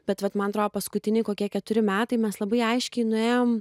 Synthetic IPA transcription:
bʲɛt̪ʋɐt̪mɐnɐt̪ɾoːd̪oːpɐskʊt̪ʲɪnʲɪkoːkʲiɛkʲɛt̪ʊɾʲɪmʲæːt̪ɐɪmʲɛslˠɐbɐɪɐɪʃʲkʲɛɪnʊeːjoːm

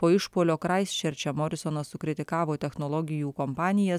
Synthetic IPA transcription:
poːɪʃpoːlʲoːkɾɑɪsʲt͡ʃʲɛɾʲt͡ʃʲɛmɔɾʲɪsɔnɐssʊkɾʲɪt̪ʲɪkɑːʋoːt̪ʲɛxnɔlˠɔɡʲɪjuːkɔmpɑːnʲɪjɛs

